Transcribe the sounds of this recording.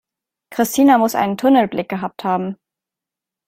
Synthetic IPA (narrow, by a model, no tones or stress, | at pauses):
kʁ̥ɪstʰiːnamʊsʔa̰ɪnəntʰʊnəl̩blɪk̚ɡ̥əɦaːp̚thaːbm̩